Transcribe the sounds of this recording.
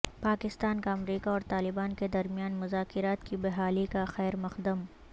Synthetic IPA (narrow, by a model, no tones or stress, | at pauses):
paːkɪst̪aːnkaɐmɾiːkaɔːɾt̪aːlɪbaːnked̪ɐɾmijaːnmʊzaːkɪɾaːt̪kibɐɦaːlikaxɛːɾmɐxd̪əm